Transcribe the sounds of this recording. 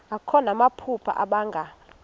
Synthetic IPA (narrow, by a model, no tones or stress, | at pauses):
akʰɔnamapʰupʰa̰ʔaɓaŋɡʱa